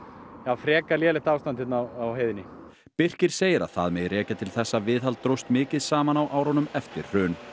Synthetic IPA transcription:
jaːwfɾɛːkaljɛːlɪht̪aːwst̪ant̪ɪt̪nawawɦejðɪnːɪ | pɪr̥cɪɾ̥seːjɪɾa̰ðθa̰ðmɛðrɛːcat̪ʰɪlθɛsːavɪːðɦalt̪ːɾowst̪mɪːcɪðsaːmanawʔaːwɾɔnʏmɛft̪ɪ̰ɾ̥r̥œːn

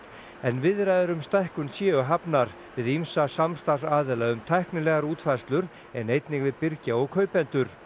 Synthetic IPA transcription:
ɛnvɪðɾajðʏɾʏmst̪ajhkʏnsjɛːʏɦapnaɾ | vɪðimsasamst̪asaːðɪlaʏmt̪ʰajhknɪlɛɣaɾuːt̪fajrst̪lʏɾ | ɛnejt̪nɪɣvɪðpɪɾcaɔɣkʰœːɥpɛnt̪ʏɾ̥

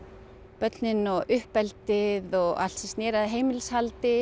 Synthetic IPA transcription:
pœt̪nɪnɔɣʔʏhpɛlt̪ɪðɔɣa̰l̥sist̪nɛːɾaðɦeːjmɪlshalt̪ɪ

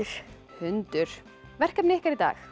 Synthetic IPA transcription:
ɾ̥ | hʏnt̪ʏɾ̥ | vɛr̥kapnɪhkaɾit̪a̰ːx

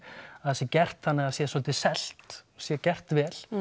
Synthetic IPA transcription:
aðsjɛcɛr̥t̪θanːɪɣaðsjɛsɔlt̪ɪsɛl̥t̪sjɛcɛr̥t̪vɛːl̥

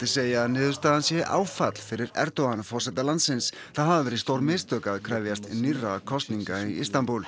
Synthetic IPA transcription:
t̪ɪseːjanɪːðʏɾst̪aːðansjɛʔa̰ːwfat̪l̥fɪɾɪɾɛ̰ɾt̪ɔanfɔr̥sɛt̪alant̪sɪns | θaðhavavɛːɾɪðst̪owɾmɪːst̪œːkaðkʰɾavjast̪nirːakʰɔst̪niŋkaiist̪anpul

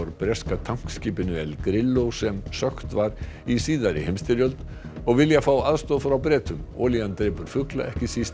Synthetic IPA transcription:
ɔɾpɾɛskat̪ʰaŋ̥kskipɪnʏɛlɡɾɪlːosɛmsœxt̪vaɾisiːðaɾɪ̰hɛmst̪ɪɾjœlt̪ | ɔʋɪljafawaðst̪oːfɾawbɾɛːt̪ʰʏmo̰ːljand̪ɾepʉɾfʉkla̰ʔɛhkɪsɪs

